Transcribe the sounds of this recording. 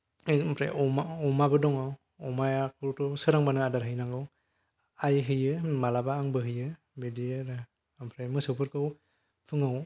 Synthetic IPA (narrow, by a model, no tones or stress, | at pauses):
pʰɾa̰jʔɔmaɔmabɯdɔŋaw | ɔmajakʰɯɾtɔsɯɾaŋbanɯadaɾɦɯjnaŋɡɯw | ajɦɯjɯmalabaːŋbɯɦɯjɯ | bedieɾɯ | mpʰɾajmɯsɯpʰɯɾkʰɯw | pʰɯŋaw